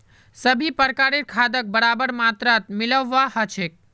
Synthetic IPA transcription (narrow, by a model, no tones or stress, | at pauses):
səbʱipəɾkaːɾeɾkʰad̪ək̚bəɾaːbəɾmat̪ɾat̪̚mɪləʋːaɦət͡ʃʰek̚